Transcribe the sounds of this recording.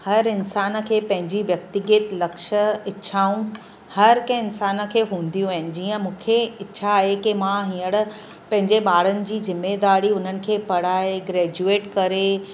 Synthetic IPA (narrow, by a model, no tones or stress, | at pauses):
hɐɾɪnsaːnə̆kʰeːpɐ̃ɦɪ̃ɲd͡ʑiʋjɐk̚t̪ɪɡət̪lɐkʃə̆ɪɕʰaːũ | hɐɾkɐ̃ɪnsaːnə̆kʰeːɦũːn̆d̪ijũaɦɪnɪ̆d͡ʑiːə̃mũːkʰeɪtːɕʰaːɦekimãɦĩːəɽ̆ | pɐ̃ɦɪ̃ɲd͡ʑeɓaːɽ̤ənɪ̆d͡ʑiːzɪmːed̪aːɾiʊn̤ənɪ̆kʰeːpɐɽ̤aːeɡɾɛːd͡ʑueːʈkɐɾe